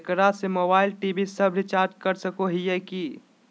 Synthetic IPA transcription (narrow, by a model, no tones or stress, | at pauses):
kɾasemobaːɪlʈibʱisəbʱɾit͡ʃaɾʈkəɾsəkoɦijɛki